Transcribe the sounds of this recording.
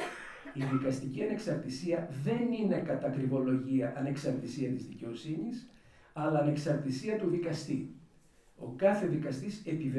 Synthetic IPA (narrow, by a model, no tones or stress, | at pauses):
iðikɐst̪iciɐneksɐɾt̪isiɐðe̞nine̞kɐt̪ɐkɾivo̞lo̞ʝiɐʔɐne̞ksɐɾt̪isiɐt̪izðice̞o̞sinis | ɐlɐːne̞ksɐɾt̪isiɐt̪uðikɐst̪i | o̞̰kɐθe̞ðikɐst̪ise̞pive